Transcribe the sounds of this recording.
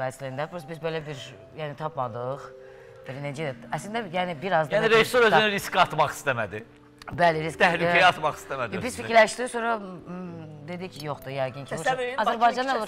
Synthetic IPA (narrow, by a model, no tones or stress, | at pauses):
æzlæind̪æbɾusbizbelæbiɾ | jæːnit̪ʰɑpmɑd̪ɯχ | b̥iɾned͡ʒɛæslnd̪æjæːnibiɾɑzd̪æniɾeist̪oɾøznyɾiskʰɑt̪mɑχi̥st̪æmæd̪i | bælɪɾist̪ʰæhlyɛjɑt̪mɑχi̥stt̪æmæd̪biz̥fiiɾlæʃd̪iːsonɾɑ | d̪e̞d̪icʰjoχd̪ujɑjɡɯnt͡ʃʰoɑzæɾbɑjd͡ʒɑnɑolˠ